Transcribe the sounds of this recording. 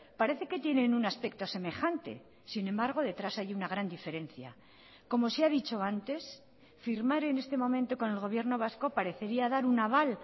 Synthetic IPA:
paɾe̞θe̞ke̞t̪je̞nenunaspek̚t̪o̞se̞me̞xant̪e̞̰ | sinẽ̞mbaɾɣ̞o̞ðe̞t̪ɾasajunaɣ̞ɾand̪ife̞ɾẽ̞nθja̰ | ko̞mo̞seaðit͡ʃo̞ant̪e̞s | fiɾmaɾe̞ne̞st̪e̞mõ̞mẽnt̪o̞ko̞ne̞lɣ̞o̞β̞je̞ɾno̞β̞asko̞paɾe̞θe̞ɾiaðaɾunaβal

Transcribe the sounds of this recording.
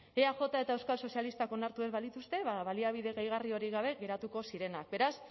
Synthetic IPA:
eaʝo̞t̪ae̞t̪aewskalso̞sialist̪ako̞naɾt̪ue̞zβalit̪ust̪e̞βaβaliaβ̞iðe̞ɣajɣ̞ario̞ɾiɣaβ̞e̞ɣe̞ɾat̪uko̞siɾe̞nak̚be̞ɾas

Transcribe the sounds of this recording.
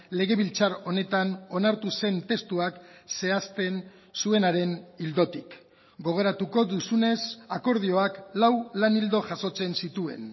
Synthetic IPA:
le̞ɣ̞e̞βilt͡saɾo̞ne̞t̪ano̞naɾt̪use̞nt̪e̞st̪uakse̞ast̪e̞n | sue̞naɾe̞nild̪o̞t̪ik | ɡo̞ɣ̞e̞ɾat̪uko̞ðusune̞sako̞ɾð̞io̞aklawlanild̪o̞ʝaso̞t͡se̞nsit̪ue̞̰n

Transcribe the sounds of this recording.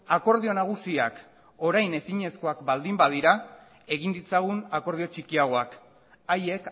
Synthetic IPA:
ako̞ɾð̞io̞naɣ̞usiak | o̞ɾajne̞siɲe̞sko̞akbald̪imbað̞iɾa | e̞ɣind̪it͡saɣ̞unako̞ɾðio̞t͡ʃikiaɣ̞o̞ak | aje̞k

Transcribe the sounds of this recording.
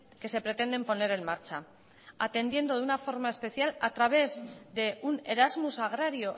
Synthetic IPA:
ke̞se̞pɾe̞t̪e̞nd̪e̞mpo̞ne̞ɾe̞nmaɾt͡ʃa | at̪e̞nd̪je̞nd̪o̞ðunafo̞ɾmae̞spe̞θjalat̪ɾaβ̞e̞zðe̞une̞ɾazmusaɣ̞ɾaɾjo̞

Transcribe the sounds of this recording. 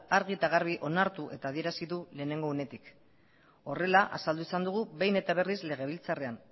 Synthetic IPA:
aɾɣ̞iet̪aɣaɾβ̞iʔo̞naɾt̪uʔe̞t̪aːðie̞ɾasiðule̞ːne̞ŋɡo̞ːne̞t̪ik | o̞re̞laʔa̰sald̪uisand̪uɣ̞uβe̞jne̞t̪aβ̞e̞rizle̞ɣ̞e̞β̞ilt͡sare̞an

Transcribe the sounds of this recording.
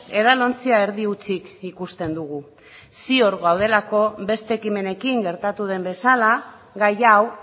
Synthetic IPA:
e̞ðalo̞nt͡siae̞ɾðiut͡sikikust̪e̞nd̪uɣu | sio̞ɾɣawð̞e̞lako̞be̞st̪e̞ːkime̞ne̞kiŋɡe̞ɾt̪at̪uð̞e̞mbe̞sala | ɣajaw

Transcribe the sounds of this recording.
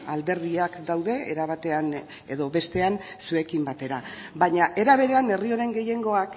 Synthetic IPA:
ald̪e̞ɾðiakd̪awðe̞ḛɾaβ̞at̪e̞an | e̞ðo̞βe̞st̪e̞an | sue̞kimbat̪e̞ɾa | βaɲaʔe̞ɾaβ̞e̞ɾe̞ane̞rio̞ɾe̞ŋɡe̞je̞ŋɡo̞ak

